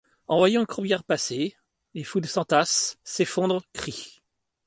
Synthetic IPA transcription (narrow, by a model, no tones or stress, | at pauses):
ɑ̃vwajɑ̃kχubjɛʁpase | efud̪sɑ̃t̪asːefɔ̃d̪ʁkχi